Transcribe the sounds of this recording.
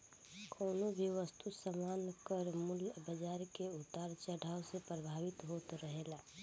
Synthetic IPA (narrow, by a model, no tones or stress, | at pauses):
kʰoːnobʱiʋəst̪ʰusəmaːnkəɾmʊlbəd͡ʒaːɾkeut̪aːɾt͡ʃəɽʱaːwsepɾəbʱaːʋɪt̪ɦoːt̪ɾəɦela